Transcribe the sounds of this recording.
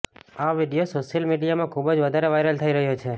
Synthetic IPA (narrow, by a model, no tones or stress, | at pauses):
aʋiɖijosoʃəlmiɖijamãkʰubd͡ʒʋəd̪ʱaɾeʋajɾəlt̪ʰəiɾəɦjot͡ʃʰe